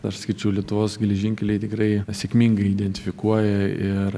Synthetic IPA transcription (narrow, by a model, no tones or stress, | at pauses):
ɐʃsɐkʲɪɾt͡ʃʲɛʊlʲiɛt̪ʊʋoːsɡʲɛlʲɛʒʲɪŋʲkʲɛlʲɛɪt̪ʲɪkrɐɪsʲekmʲiŋɡɐɪid̪ʲɛnʲt̪ʲɪfʲɪkuɔjɛɪr